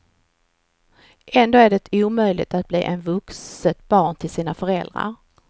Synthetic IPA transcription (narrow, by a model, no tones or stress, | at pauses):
ʔɛnd̪oːæɖɛt̪ʰuːmœjlɪ̰t̪at̪̚blḭːʔɛnvɵksət̪̚b̥ɑːɳt̪ʰɪlsiːnafœɾɛld̪ɾa̰ɾ